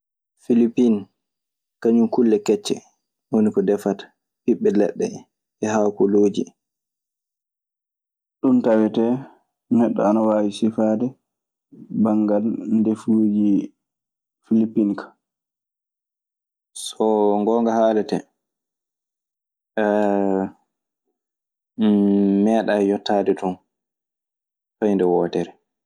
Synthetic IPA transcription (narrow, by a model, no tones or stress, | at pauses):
filipːin | kaɲumkulːɛkɛt͡ʃːɛ̰ | wonikɔdɛfatḁ | piɓːɛlɛ̰ɗːɛ̰ | ɛhawkɔloːd͡ʒi | ɗuntawɛtɛ | nɛɗːɔ̰anawaːwisifadɛ | baŋɡalndefud͡ʒi | filipːinkʰḁ | sɔŋɡɔːŋɡahaːlɛtɛ | ɛ | mɛːɗajɔtʰːaːdɛtɔn | fajndɛwɔːtɛɾɛ